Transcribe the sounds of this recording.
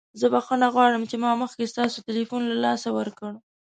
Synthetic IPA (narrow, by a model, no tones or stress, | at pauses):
zəbaxonaɣwɑɽəmt͡ʃemɑməxkest̪ɑsotɪlifunlalɑsawəɾkəɽ